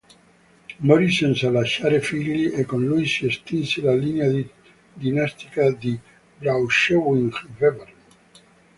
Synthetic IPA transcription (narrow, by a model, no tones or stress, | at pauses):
moɾisensalaʃaɾefiliʔekõnlujsiest̪inselalinea | d̪inast̪i̥kad̪i | bɾawʃowiŋxveβeɾ